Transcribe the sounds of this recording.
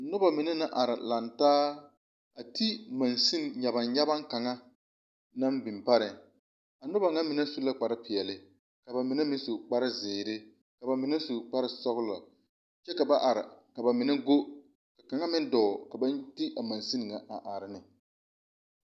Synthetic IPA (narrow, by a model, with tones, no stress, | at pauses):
nʊ˦ba˨mɪ˨nɛ˦na˦ʔa˨ɾɪ˨la˨ntaː˦ | a˨ti˦ma˨nsi˦n˨ɲa˨ba˨nɲa˦ba˦ŋka˨ŋa˦ | na˦mbɪ˨mpa˦ɾɪ˨ | a˨nʊ˦ba˨ŋa˦mɪ˨nɛ˦su˦la˦k͡pa˨ɾɪ˦pɪ˨ɛ˨lɪ˨ | ka˨ba˨mɪ˨nɛ˦mɪ˦su˨k͡pa˦ɾɪ˦zɪː˨ɾɪ˦ | ka˨ba˨mɪ˨nɛ˦su˨k͡pa˦ɾɪ˨sɔ˦ɣʊ˦la˨ | t͡ʃɛ˦ka˨ba˦ʔa˨ɾɪ̰˨ka˨ba˨mɪ˨nɛ˦ɡo˦ | ka˨ka˨ŋa˦mɪ˦n˦dɔː˨ka˨ba˦nti˦ʔa˨ma˨nsi˦n˨ŋa˨ʔa˨ʔa˨ɾɪ˨nɪ˨